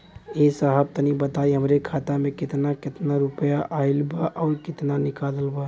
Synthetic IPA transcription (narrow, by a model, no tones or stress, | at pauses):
esəɦəb̚t̪ənibət̪aiɦəmɾekʰat̪amẽkɪt̪nakɪt̪naɾupəjaʔaɪlbaʔɔːɾkɪt̪nanɪkadəlbə